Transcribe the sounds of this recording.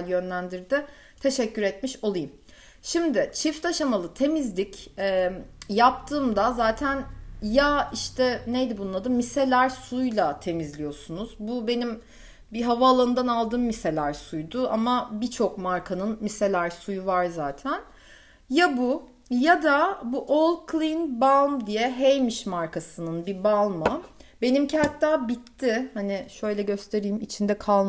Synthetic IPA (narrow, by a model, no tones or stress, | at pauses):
ljø̞nlʲænd̪iɾd̪ɪ | t̪ʰe̞ʃɛcːyɾɛt̪miʃo̞lˠajɯm | ʃimd̪ɪt͡ʃʰift̪aʃamalˠɯt̪ʰe̞mizlʲicɛːjap̚t̪ʰɯːmd̪azaːt̪ʰænjaiʃt̪ʰɛnejd̪ibunlˠad̪ɯmːise̞lʲæɾsujlˠat̪ʰe̞mizlʲijo̞sunuzbube̞nim | biɦavaːlˠɯɯnd̪analˠd̪ɯːmːise̞lʲæɾsujd̪ʊʔamabit͡ʃʰo̞kmaɾkʰanɯnmise̞lʲæɾsujuvaɾzaːt̪ʰæn | jabu | jad̪abuʔolˠkʰlʲˠinbalˠmd̪ijɛɦejmiʃmaɾkʰasɯnɯnbibalˠmɯbe̞nimcihat̪ʰːaːbit̪ʰːɪhanɪʃø̞jlʲɛɟø̞st̪ʰe̞ɾiːmit͡ʃʰind̪ɛkʰalˠm